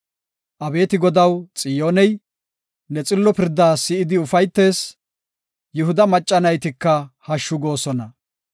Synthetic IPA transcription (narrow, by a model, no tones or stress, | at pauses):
ʔɐbe̞ːt̪ɪɡɔd̪ɐwt͡sʼɪjoːnɛj | nɛt͡sʼɪlːɔpɪɾd̪aːsɪɪd̪ɪʊfɐjt̪ːe̞ːs | jʊhʊd̪ɐmɐt͡ʃʼːɐnɐjt̪ɪkːɐhɐʃːʊɡo̞ːsɔnɐ